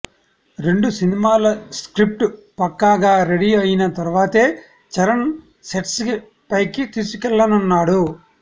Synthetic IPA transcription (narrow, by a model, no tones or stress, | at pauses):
ɾe̞ɳɖusinimaːlɐskɾip̚ʈpɐkːaːɡaːɾeɽiɐjinɐt̪ɐɾuʋaːt̪eː | t͡ʃɐɾɐn | seʈs | pɐjkit̪iːsukɛlːɐnunːaːɽu